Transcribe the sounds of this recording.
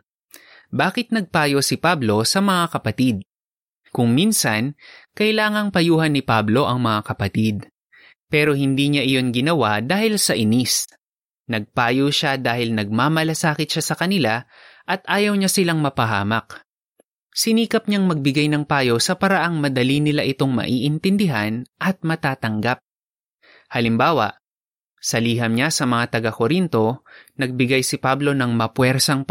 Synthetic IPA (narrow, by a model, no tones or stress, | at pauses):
baːkɪt̪̚nɐɡ̚paːjosɪpablo̞sɐmɐŋakɐpɐt̪id̪̚ | kʊŋminsɐnkɐjlaːŋɐŋpɐjuːɦɐnːɪpablo̞ʔɐŋmɐŋakɐpɐt̪id̪̚ | pɛːɾo̞hɪnd̪iːɲaʔɪjo̞nɡɪnɐwad̪aːhɪlsɐʔɪnis | nɐɡ̚paːjoʃad̪aːhɪlnɐɡ̚maːmɐlɐsaːkɪt̪̚ʃasɐkɐnɪlaʔɐt̪̚ʔaːjɐwɲasɪlaŋmɐpɐɦa̰ːmɐk | sɪniːkɐp̚ɲaŋmɐɡ̚bɪɡajnɐŋpaːjowsɐpɐɾɐʔaŋmɐd̪ɐlinɪlaʔɪt̪o̞ŋmɐ̰ʔiːʔɪnt̪ɪnd̪ɪɦanʔɐt̪̚mɐt̪aːt̪ɐŋɡap̚ | hɐlɪmbaːwɐ̰ʔ | sɐliːɦɐmɲasɐmɐŋat̪ɐɡakoɾint̪o̞nɐɡ̚bɪɡajsɪpablo̞nɐŋmɐpwɛɾsɐŋ